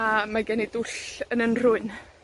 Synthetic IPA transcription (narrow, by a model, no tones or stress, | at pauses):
amaɡɛnidʊɬənənr̥ʊɨn